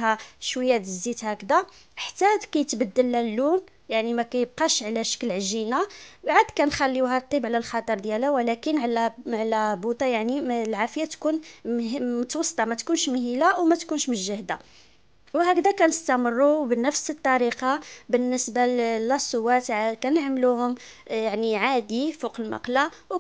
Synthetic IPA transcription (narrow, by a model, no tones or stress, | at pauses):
ɦæʃwəjːæd̪əzːit̪hækd̪æ | ʔħt̪ːæd̪kæjət̪bəd̪ːəlːælːun | jaʕnimækæjəb̚qɑʃʕlæʃə̥kːlʕʒinabʕəd̪kænxælːiwhæt̪ˤːibʕlælxɑt̪ˤəɾˤd̪jælæwlækənʕlʕlæbut̪ˤɑjaʕnilʕafəjat̪kun | mʊt̪wɑsˤːt̪ˤɑmæt̪kunʃmhilawmæt̪kunʃməʒəhd̪a | whækd̪ækænəst̪æmərːubənːəfsət̪ˤːɑɾiqɑbənːəsbalæsˤʊwːæt̪ʕkænəʕməluhʊmjaʕniʕad̪ifuqəlmɑ̰qla | w